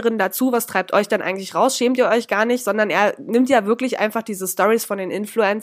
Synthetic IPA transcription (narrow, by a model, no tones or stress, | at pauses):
ʁɪndat͡suːvastʁ̥aɪp̚tʰʔɔ̰ʏçd̥ɛnʔa̰ɪɡŋ̩tlɪçʁaʊsʃɛːmtiːɐɔʏçɡ̥aːɐnɪçtz̥ɔndɐnʔḛːɐnɪmtjaːvɪɐklɪçʔa̰ɪnfaχd̥iːzəstɔʁisfɔndeːnʔɪnfluɛnt͡s